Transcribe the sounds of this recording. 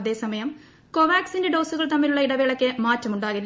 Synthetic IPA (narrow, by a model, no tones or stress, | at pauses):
ɐðe̞ːsɐmɐjɐm | ko̞ʋaːksindeɖo̞ːsuɣɐɭt̪ɐmːiluɭːɐiɽɐʋeːɭɐkːɨmaːtːɐmuɳɖaːɣilː